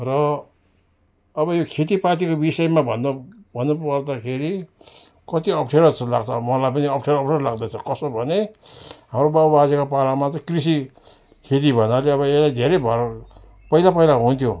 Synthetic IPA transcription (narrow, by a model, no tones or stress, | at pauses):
rʌ | bʌjokʰet̪̬ipat̪̬ikobisʌjmabʱʌnːʌbʱʌnːopʌrd̪akʰeɾi | kʌt̪iʌpʰʈʰeɾʌt͡sʰʌla̰ɡt͡sʰʌbmʌlajpʌniʌpʈʰeɾʌpʈʰeɾlaɡd̪ʌt͡sʰʌkʌsobʱʌneɦamɾobabad͡zekopalamat͡sʌ̃ĩkris̬i | kʰet̪̬ibʱʌnaleʌβʌeslajd̪ʱeɾʌjbʱʌɾ | pʌɦilapʌilaɦunt̪ʰjo